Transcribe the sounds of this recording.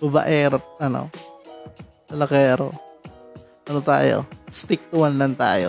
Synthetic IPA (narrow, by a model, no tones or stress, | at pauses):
bɐbɐ̰ʔɛːɾot̪̚ʔɐno̰ | sɐlɐkɛːɾo̰ | ɐnot̪a̰ːjo̰st̪ɪk̚t̪ʊwanlɐnt̪a̰ːjo̰